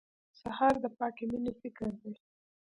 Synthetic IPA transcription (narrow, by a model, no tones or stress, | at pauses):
sahɑɾd̪əpɑkeminefɪkɪɾd̪e